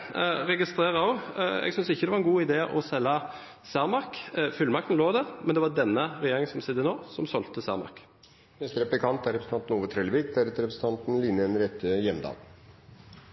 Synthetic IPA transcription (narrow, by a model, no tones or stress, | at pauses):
ʁɛɡɪst̪ʁeːʁɑɔɛ̰ɡsʏnsɪçəd̪ɛʋɑʁɛnɡuːɪd̪eːʔɔsɛlːɑ | sæʁmɑʁkfʏlmɑk̚t̪n̩loːd̪æʁmɛnd̪ɛʋɑd̪ɛnːəʁɛjeːʁɪŋəsɔmsɪd̪ənoːsɔmsɔlt̪əsæ̰ʁmɑ̰k | mɛst̪əɾɛplɪkʰɑnt̪æɾɛpɾsn̩ʰɑnt̪n̩uːʋət̪ʰɾɛlʋɪːkd̪æɾɛt̪əɾɛpɾsn̩ʰɑnt̪n̩lɪnəɛnɾɛt̪ʰːəjɛmd̪ɑ̰ːl